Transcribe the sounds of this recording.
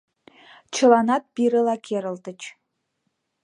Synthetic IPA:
t͡ʃʰə̆lɑnɑt̪̚piɾə̆lɑkʲʰeɾə̆lt̪ət͡ɕ

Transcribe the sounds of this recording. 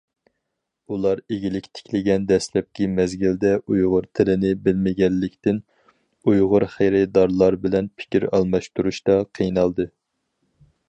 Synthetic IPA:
ulˠɑɾeɡʲilɪkʲt̪ʰɪ̥kʲʰlɪɡʲɛnd̪ɛslɛp̚kʲimɛzɡʲild̪ɛʔujʁʊɾt̪ʰɪlɪnɪbɪlmɪɡʲɛlːɪkʲt̪ɪn | ujʁʊɾχejɾɛt̪̚d̪ɑɾlˠɑɾbɪlɛnpʰɪ̥kʲiɾɑ̰lˠmɑʃt̪uɾuʃt̪ɑqʰijnɑlˠd̪ɨ

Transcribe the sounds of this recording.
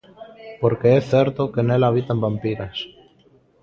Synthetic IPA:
poɾkeeθeɾt̪okenelaβ̞it̪ambampiɾas

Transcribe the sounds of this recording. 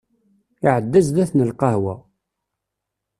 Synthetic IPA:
iʕəd̪ːæzðæθnəlqɑhwæ̰

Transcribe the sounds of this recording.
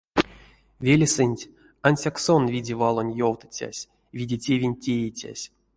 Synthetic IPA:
vʲelʲsɨnʲtʲ | anʲsʲaksonvʲidʲevalˠo̞nʲjowt̪ɨ̥t͡sʲa̰sʲ | vʲidʲetʲevʲinʲtʲejit͡sʲa̰sʲ

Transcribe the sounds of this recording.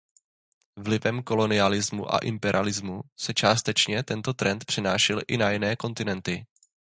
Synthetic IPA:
vlɪvɛmko̞lo̞nɪalɪzmuʔa̰ʔɪmpɛɾʔɪ̰alɪzmusɛt͡ʃaːst̪ɛt͡ʃɲɛt̪ɛnt̪o̞t̪ɾɛnt̪̚pr̥ɪnaːʃɛlʔɪnajɪnɛːko̞nt̪ɪnɛnt̪ɪ

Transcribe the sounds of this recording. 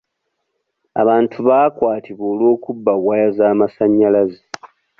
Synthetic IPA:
a̰βaːntʰuβaːkwaːtʰiβo̞ːlwo̞ːkubːaβwajazaːmasaɲːalaze

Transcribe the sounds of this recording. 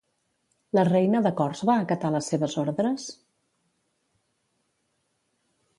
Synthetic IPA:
lərɛjnəðəkɔrzβaəkət̪aləsːeβəzoɾðɾəs

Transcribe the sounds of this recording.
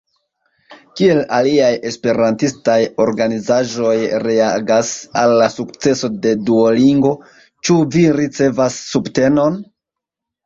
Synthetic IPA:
kie̞laliaje̞spe̞ɾantistajo̞ɾɡanizaʒo̞jɾe̞aɡasalːasukt͡se̞so̞de̞duoliŋɡo̞ | t͡ʃuviɾit͡se̞vasːubte̞no̞n

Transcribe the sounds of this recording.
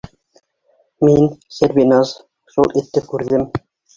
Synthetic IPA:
minsʲeɾbinɑz | ʃulˠit̪ːɘp̚kʉɾðɘm

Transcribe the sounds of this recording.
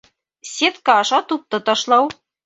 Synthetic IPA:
sʲet̪kɑːʃɑt̪up̚t̪ɤ̆t̪ɑʃlˠɑw

